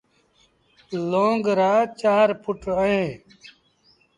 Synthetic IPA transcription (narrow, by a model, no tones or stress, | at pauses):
loːŋɡɾaːt͡ɕaːɾpuʈəẽː